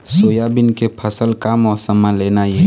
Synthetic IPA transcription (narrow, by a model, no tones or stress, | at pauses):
soːjabɪnkepʰəsəlkaːmɔːɾsəmãleːnaje